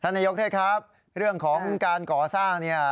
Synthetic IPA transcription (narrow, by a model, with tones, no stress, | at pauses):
t̪ʰaː˥˩naː˧jo˦˥t̪ʰeː˥˩t̚kʰa˦˥p̚ | ɾɯ˥˩əŋkʰɔː˩˦ŋkaː˧nkɔː˨˩saː˥˩ŋni˥˩ə